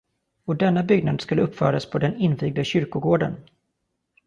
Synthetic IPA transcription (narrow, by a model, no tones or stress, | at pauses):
ɔd̪ɛnːabʏɡ̚nad̪skɵlːəɵpːfœ̰ːɾaspʰɔd̪ɛnɪnːviːɡ̚d̪aɕʏɾkʊɡoːɖə̰n